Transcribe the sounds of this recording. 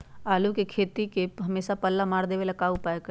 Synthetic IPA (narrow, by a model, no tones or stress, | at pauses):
aːlukekʰeːt̪ikeɦɐmeːsapəlːamaːɾd̪eːʋelɐkaːupaːjekə